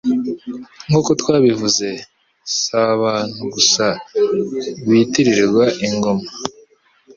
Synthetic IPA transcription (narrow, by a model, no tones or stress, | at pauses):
ŋɡokotwaːβivuze̞ | saːβaːn̥huɡusa | βitiɾiɾɡwaʔiŋɡo̞ma